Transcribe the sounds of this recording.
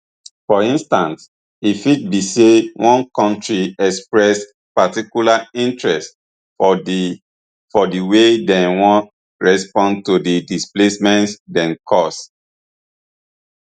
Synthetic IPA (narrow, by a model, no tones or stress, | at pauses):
fɔĩnstãns | ifit̚bisewʔɔ̃nkɔ̃ntɹiɛkspɹɛs | patikulaĩntɹɛst | fɔdiwedɛ̃nwɔ̃ | ɹɛspɔ̃ntudidisplesmɛ̃ntdɛ̃nkʰɔs